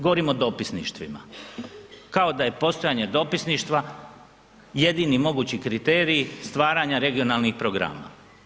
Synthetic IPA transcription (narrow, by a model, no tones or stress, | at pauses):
ɡoʋoɾimod̪o̞pisnḭʃt̪ʋḭma̰ | kao̞d̪aje̞po̞st̪o̞jaːɲe̞d̪o̞pisniʃt̪ʋa | je̞d̪inimo̞ɡuːt͡ɕikɾit̪e̞ːɾiːst̪ʋaːɾaɲaɾe̞ɡio̞nalnixpɾo̞ɡɾa̰ːma̰